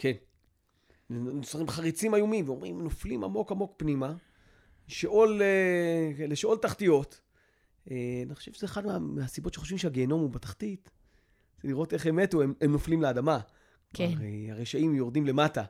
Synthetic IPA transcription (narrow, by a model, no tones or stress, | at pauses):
kʰe̞n | usaχimχaʁit͡simajomimveomʁimno̞flima̰mo̞kamo̞kpnima | eʃʔo̞le | leʃo̞ltaχtijo̞t̪ | eniχoʃev̥ezeːχadmameasibo̞tʃeχo̞ʃvimʃeaɡeno̞mubetḁχtit̪ | z̥eliʁo̞te̞χeme̞toememno̞flimleadama | ʁeaʁeʃaimjo̞ʁdimle̞mata